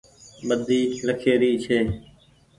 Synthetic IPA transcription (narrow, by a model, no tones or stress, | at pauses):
məd̪iːləkʰeːɾiːt͡ʃʰeː